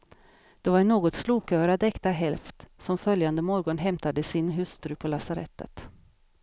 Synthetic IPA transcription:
d̪̥ɛvaɾɳoːɡɔt̪sluːkʰœːɾad̪ɛkt̪aɦɛlft̪sɔmfœljand̪əmɔɾɡɔnɦɛmt̪ad̪əsɪnɦɵst̪ɾɵpʰɔlasaɾɛ̰t̪ːə̰t̪

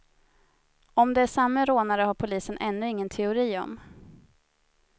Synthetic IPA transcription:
ɔmd̪ɛæʂamːəɾoːnaɾəhaɾpʰʊliːsənʔɛnːɵɪŋːənt̪ʰɛʊɾiːɔ̰m

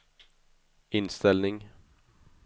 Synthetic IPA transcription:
ɪnst̪ɛlnɪŋ

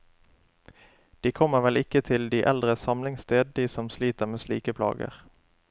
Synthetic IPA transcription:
d̪̥iːkʰɔməʁʋɛlɪkət̪ʰɪld̪iːʔɛld̪ʁəsɑmlɪŋst̪eːd̪d̪iːsɔmsliːt̪əʁmeːslḭːkəpʰlɑ̰ːɡə̰ʁ

